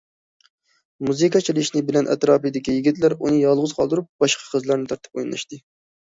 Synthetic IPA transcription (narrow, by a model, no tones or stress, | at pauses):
muzɨkɑt͡ʃʰilɪʃnɪbɪlɛnʔɛ̰t̪ɾɑːpɨjd̪ɪkʲijiɡʲit̪læɾunɨjɑlˠʁʊzqʰɑlˠd̪uɾup̚b̥ɑʃqʰɑ̥qʰəzlˠɑɾnɨt̪ʰɑɾt̪ʰɨ̥p̚ojnnlˠɑ̰ʃt̪ɨ